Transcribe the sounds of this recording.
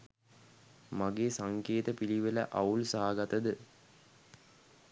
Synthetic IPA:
maɡeːsaŋkeːt̪əpiliʋelə̰ʔɐulsaɦaɡat̪əd̪ə

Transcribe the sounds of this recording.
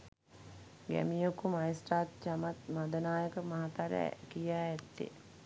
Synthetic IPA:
ɡæ̰mijokumajesʈaːt̪̚t͡ʃamat̪mad̪ənaːjəkəmaɦat̪aɾɛ̰kijaːɛt̪ːḛ

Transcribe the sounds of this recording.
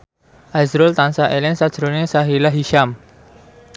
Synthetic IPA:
ʔazɾʊlt̪ansaʔelɛnsḁd͡ʒ̥ɾolnesaɦilaɦiʃam

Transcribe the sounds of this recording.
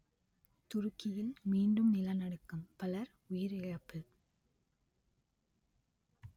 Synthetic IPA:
t̪ʊɾɯkːɪjɪlmiːɳɖɯmnɪlɐnɐɽɯkːɯmpɐlɐɾ | ʊjɪɾɪɻɐpːɯ

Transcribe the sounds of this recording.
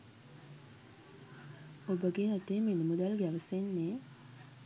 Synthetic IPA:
obəɡeat̪eːminəmud̪alɡeaʋəsenːeː

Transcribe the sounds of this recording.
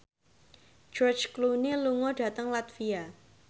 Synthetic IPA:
d͡ʒ̥ɔrt͡ʃkluneluŋɔɖ̥ä̤t̪əŋlat̪fia

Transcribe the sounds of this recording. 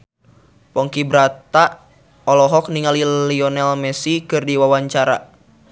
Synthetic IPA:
pɔŋkibɾat̪aʔ | ɔlɔɦɔk̚niŋaliliɔnɛlmɛsikɨrdiwawaɲt͡ʃaɾa̰

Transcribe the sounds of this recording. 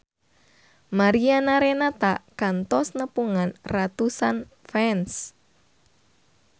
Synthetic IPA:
maɾianaɾenat̪akant̪ɔsnəpuŋanrat̪usan | fɛns

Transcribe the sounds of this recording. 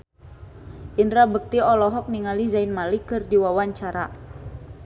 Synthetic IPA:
ʔindɾabək̚t̪iɔlɔɦɔk̚niŋalizainmalikɨrdiwawaɲt͡ʃaɾa

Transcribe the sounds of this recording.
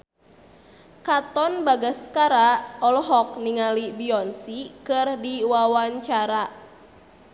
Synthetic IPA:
kat̪ɔnbaɡaskaɾaɔlɦɔk̚niŋalibiɔnsikɨrdiwawaɲt͡ʃaɾa

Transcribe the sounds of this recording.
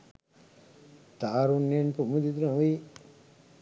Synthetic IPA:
t̪aːɾunjenpumud̪id̪unaʋi

